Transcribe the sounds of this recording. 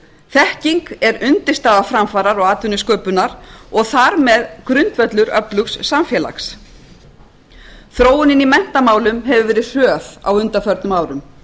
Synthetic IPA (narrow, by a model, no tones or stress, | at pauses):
θɛhciŋkɛɾʏnt̪ɪ̥st̪aːðafɾamfaːɾaɾɔɣaːt̪ʏnʏskœːpʏnaɾ̥ɔɣθaɾmɛðkɾʏnt̪vœt̪lʏɾœplʏksːamfjɛːla̰ks | θɾoːwʏnɪnːimɛn̥t̪amaːwlʏmɦɛvʏvɛːɾɪr̥œːθa̰wʏnt̪afœɾt̪nʏmaːwɾʏm